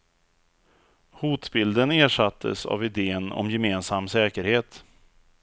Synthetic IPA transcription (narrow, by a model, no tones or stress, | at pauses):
huːt̪bɪld̪əneːʂat̪ʰːə̰sa̰vɪd̪eːənɔ̰mjɛmeːnsamːsɛːkəɾheːt̪